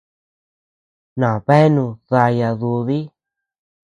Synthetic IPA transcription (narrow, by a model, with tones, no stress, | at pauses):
nã˨βe˦nũ˧ða˧ja˧ðu˧ði˦